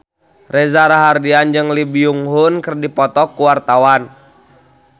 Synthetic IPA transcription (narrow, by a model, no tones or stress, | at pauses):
rɛzaɾaɦardiand͡ʒɨŋlibiuŋɦunkɨrdipɔt̪ɔkːuwart̪awan